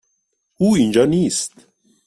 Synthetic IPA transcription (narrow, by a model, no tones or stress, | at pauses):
uːind͡ʒɑːniːst̪